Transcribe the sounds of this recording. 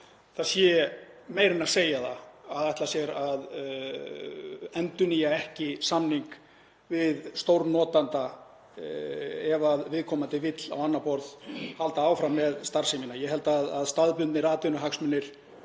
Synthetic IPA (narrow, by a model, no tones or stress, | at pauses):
θasjɛ | meːjɾɪnaseːjaθa̰aðajht̪lasjɛɾað | ɛnt̪ʏnijaɛhcɪsamniŋk | vɪðst̪owɾnɔːt̪ant̪a | ɛvaðvɪðkʰɔmant̪ɪvɪt̪la̰wanːapɔɾðhalt̪aaːwfɾamːɛðst̪aɾ̥sɪminajɛɦɛlt̪aðaðst̪aðpʏnt̪nɪɾaːt̪ʏnʏɦaksmʏnːɪɾ̥